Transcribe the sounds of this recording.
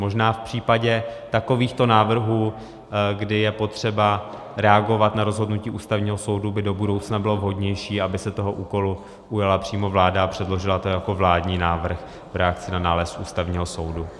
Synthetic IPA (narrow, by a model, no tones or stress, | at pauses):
mo̞ʒnaːfpr̝̥iːpaɟɛt̪ako̞viːxt̪o̞naːvr̩ɦuː | ɡdɪjɛpo̞t̪r̝̥ɛba | ɾɛaɡo̞vat̪naɾo̞zɦo̞dnuciːʔuːst̪avɲiːɦoso̞wdubɪdo̞budowt͡snabɪlo̞vɦo̞dɲɛjʃiːabɪsɛt̪o̞ɦo̞ʔuːko̞lu | ujalapr̥iːmo̞vlaːdaapr̝̥ɛdlo̞ʒɪlat̪ojako̞vlaːdɲiːnaːvr̩x | vɾɛak̚t͡sɪnanaːlɛst̪ʔuːst̪avɲiːɦoso̞wdu